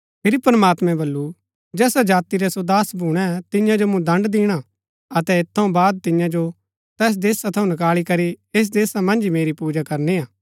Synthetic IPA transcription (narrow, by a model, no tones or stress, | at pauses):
pʰɪɾipɾəmaːt̪mɛ̃bɐlːu | d͡ʒɛːsad͡ʒaːt̪iɾɛsod̪aːsbʱuːɽ̃ɛt̪ɪ̃jãd͡ʒomũd̪ɐ̃ɳɖd̪iːɽ̃a | ɐt̪ɛɪt̪ʰːɐũbaːd̪̚t̪ɪ̃jãd͡ʒo | t̪ɛːs̬d̪eːsat̪ʰɐũnɐkaːɭikɐɾieːs̬d̪eːsamɐ̃nd͡ʒimeːɾipuːd͡ʒakɐɾniaː